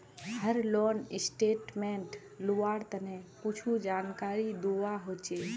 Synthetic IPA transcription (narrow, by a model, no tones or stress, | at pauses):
həɾlɔːnɪsʈeːʈmẽɳʈ | loaːɽt̪ənẽput͡ʃʰud͡ʒaːnkaːɾid̪oːʋaɦoːt͡ʃe